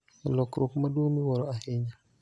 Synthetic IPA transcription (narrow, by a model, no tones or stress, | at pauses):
alɔkɾʔokmadomiwɔɾɔaheɲa